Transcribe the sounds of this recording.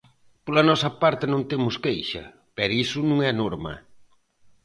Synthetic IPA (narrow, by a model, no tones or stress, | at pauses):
polɐnɔsɐpaɾt̪ɪnõnt̪emʊskejʃɐ̰ | pɛɾisʊnũŋɛɐnoɾmɐ̰